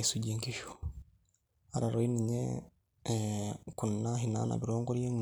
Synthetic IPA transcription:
isuɟeŋkiʃo̥ | aɾaɾoiniɲḛ | kunnaɦina̰na̰βiɾoːŋɡoɾjeŋu

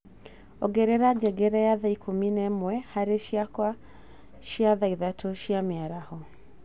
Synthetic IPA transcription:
ɔɡɛɾɛɾaɡɛɡɛɾɛjaðaikʰominɛmwɛhaɾeʃiakwa | ʃiaðaiðatʰoʃiameaɾahɔ

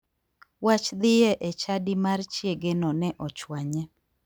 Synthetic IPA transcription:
wat͡ʃd̪ɪjɛʔɛt͡ʃadɪmart͡ʃjeɡenɔnɛʔɔt͡ʃwaɲɛ

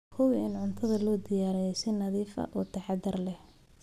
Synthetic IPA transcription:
kʰɔwɪɪnʕʊnt̪ʰɐðɐlɔːd̪ɪjaːɾɛjɛsɛnɐðiːfɐ̰ʔɔːt̪ʰɐħɑd̪ɐrlɛ

